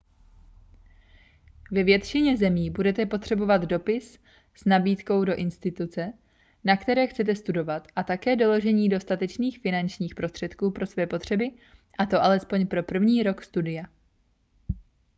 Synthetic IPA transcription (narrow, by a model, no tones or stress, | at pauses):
vɛvjɛt̪t͡ʃɪɲɛzɛmiːbudɛt̪ɛpo̞t̪r̝̥ɛbo̞vad̪do̞pɪs | snabiːt̪ko̞wdo̞ʔɪnst̪ɪt̪ut͡sɛ | nakt̪ɛɾɛːxt͡sɛt̪̬ɛst̪udo̞vat̪ʔat̪akɛːdo̞lo̞ʒɛɲiːdo̞st̪at̪ɛt͡ʃniːxfɪnant͡ʃɲiːxpɾo̞st̪r̥ɛt̪kuːpɾo̞svɛːpo̞t̪r̝̥ɛbɪ | ʔat̪o̞ʔalɛspo̞ɲpɾo̞pr̩vɲiːɾo̞kst̪udɪja